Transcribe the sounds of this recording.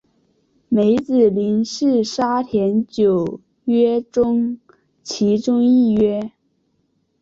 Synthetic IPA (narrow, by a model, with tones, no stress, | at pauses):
me˧˥ɪt͡sɹ̩˨˩li˧˥nʂɻ̩˥˩ʂa˥t̪ʰjɛ˧˥nt͡ɕjo˨˩ʊ | ɥɛ˥ʈ͡ʂʊ˥ŋ | t͡ɕʰi˧˥ʈ͡ʂʊ˥ŋi˥˩ɥɛ˥